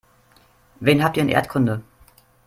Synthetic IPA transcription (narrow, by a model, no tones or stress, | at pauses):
veːnɦaːp̚tiːɐnʔːɐtkʰʊndə